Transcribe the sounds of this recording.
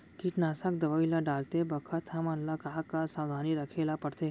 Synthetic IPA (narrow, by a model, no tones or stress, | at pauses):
kiːʈnaːsəkd̪ɐʋaːilaɖaːlt̪ebɐkʰət̪ɦɐmɐnlakaːkasaːd̪ʱaːniɾɐkʰeːlapɐɽt̪eː